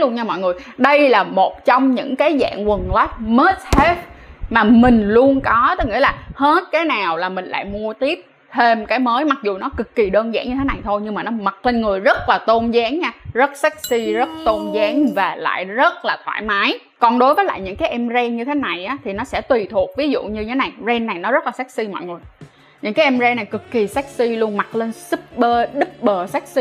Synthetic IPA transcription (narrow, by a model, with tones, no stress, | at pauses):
lu˧ənɲa˧mɔ̰˧˨jŋɨ˨˩əjɗə˧jlaː˨˩mo˨˩t̚t͡ɕɔ˧wŋ͡mɲɨ̰˧˥ŋkaː˨˦jza̰ː˧˨ŋwə˨˩ŋla˨˦˥t̚məː˦˥t̚he˦˥tmaː˨˩mï˨˩ŋ̟lu˧ənkɔ˨˦t̪ə˨˦ŋḭ˧˥laː˨˩he˦˥t̚kaː˨˦jnaː˨˩wlaː˨˩mï˨˩ŋ̟la̰ː˧˨jmu˧ət̪i˦˥əp̚ | t̪ʰe˧mkaː˨˦jməː˨˦jma˨˩k̚zu˨˩nɔ˨˦kɨ˨˩kːi˨˩ɗəː˧nza̰ː˧˨ŋɲɨ˧e˨˦na˨˩jt̪ʰo˧jɲɨ˧ŋmaː˨˩nɔ˨˦mə˨˩t̚le˧nŋɨ˨˩əjzə˦˥t̚laː˨˩t̪o˧nzaː˨˦ŋɲaː˧zə˦˥t̚saː˦˥k̚si˧zə˦˥t̚t̪o˧nzaː˨˦ŋvaː˨˩la̰ː˧˨jzə˦˥t̚laː˨˩t̪ʰwa̰ː˧˩jmaː˨˦j | kɔ˨˩nɗo˨˦jvəː˨˦jla̰ː˧˨jɲɨ̰˧˥ŋkaː˨˦jʔɛ˧mzɛ˧nɲɨ˧t̪ʰe˨˦na˨˩jʔaː˨˦t̪ʰi˨˩nɔ˨˦sɛ̰˧˥t̪wi˨˩t̪ʰu˨˩ək̚vi˨˦zṵ˧˨ɲɨ˧ɲʰ˧e˨˦na˨˩jzɛ˧nːa˨˩jnɔ˨˦zə˦˥t̚laː˨˩saː˦˥k̚si˧mɔ̰˧˨jŋɨ˨˩əj | ɲɨ̰˧˥ŋkaː˨˦ʔɛ˧mzɛ˧nːa˨˩jkɨ˨˩kːi˨˩saː˦˥k̚si˧lu˧ənma˨˩t̚le˧nsɨ˦˥p̚ɓəː˧ɗɨ˦˥p̚ɓəː˨˩saː˦˥k̚si˧